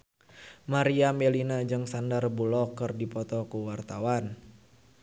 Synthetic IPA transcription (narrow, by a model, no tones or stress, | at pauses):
maɾiamelinad͡ʒɨŋsandarbulɔkərdipɔt̪ɔkuwart̪awan